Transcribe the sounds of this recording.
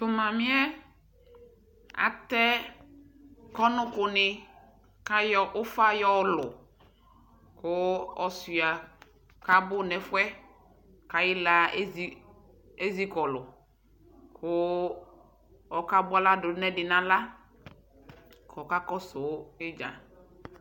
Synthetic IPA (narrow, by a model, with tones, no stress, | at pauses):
tʊ˨mã˨mɪ̃˦ɛ˦ | a̰˨t̪ɛ˦ | kɔ˦nʊ̃˦kʊ˨nɪ˨ | ka˦jɔ˦ʔʊ˦fa˦jɔ˦lʊ˨ | kʊ˦ɔ˨si˨a˨ | ka˦bʊ˦˨nɛ˨fwɛ˦ | ka˨jɪ˦la˦zi˦ | e˦zi˦kɔ˨lʊ˨ | kʰʊ˦ | ɔ˨ka˦bʊ˦a˦la˦dʊ˨˦nɛ˦dɪ˨nã˨la˦ | kɔ˨ka˦kɔ˦sʊ˨˦ɪ˦d͡ʒa̰˨